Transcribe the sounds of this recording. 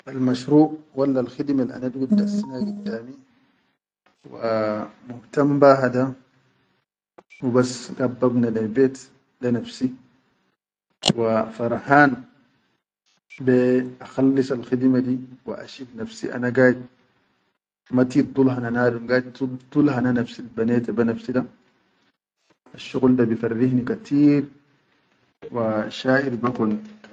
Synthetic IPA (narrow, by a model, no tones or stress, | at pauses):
ʔalmaʃɾuːʔwalːalxid̪malʔa̰nad̪ɡulɡasːinaɡud̪ːaːmi | wamʊht̪ambaːɦad̪a | wibasːɡabːabnalabeːt̪ | lanafsi | wafɑɾˤħaːn | beʔaxalːisalxid̪mad̪iwa̰ʔa̰ʃidnafsḭʔa̰naɡaːjt̪̚ | mat̪id̪ˤulhananaːdnɡaːjt̪t̪ud̪̥ˤulɦananafsilbaneːt̪abanafsida | aʃːuɣldabifarːihnikat̪ʰiːɾ | waʃaːʔiɾbakun